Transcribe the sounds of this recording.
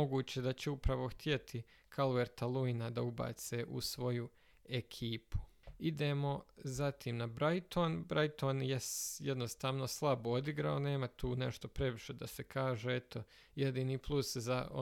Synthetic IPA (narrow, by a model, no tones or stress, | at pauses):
oɡuːt͡ɕe̞d̪at͡ɕeupɾaʋo̞xt̪je̞t̪ʰi | kʰalueɾt̪alˠuinad̪auba̰ːt̪seʔṵsʋo̞ju | ekʰiːpu̥id̪eːmo̞zat̪iːmnabɾajt̪ʰoːnbɾajt̪oːnjejed̪no̞st̪aːʋno̞slˠabood̪iɡɾaone̞ːmat̪ʰuːne̞ʃt̪o̞pɾe̞ʋiʃe̞d̪asekʰaːʒeet̪ʰo̞ | jed̪iːniːplˠuszao